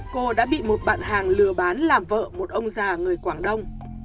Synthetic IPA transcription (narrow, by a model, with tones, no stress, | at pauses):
ko˧ɗa̰ː˧˥ɓḭ˧˨mo˨˩t̚ɓa̰ː˧˨nɦaː˨˩ŋlɨ˨˩əɓaː˨˦nlaː˨˩mvə̰ː˧˨mo˨˩t̚ʔə˧wŋ͡mzaː˨˩ŋɨ˨˩əjkwaː˧˩ŋɗə˧wŋ͡m